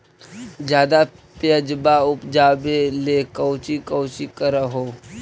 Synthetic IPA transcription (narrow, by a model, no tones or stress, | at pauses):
d͡ʒjaːd̪apjəd͡ʒbaʊpd͡ʒaːbelekəʊt͡ʃikəʊt͡ʃikəɾaɦoː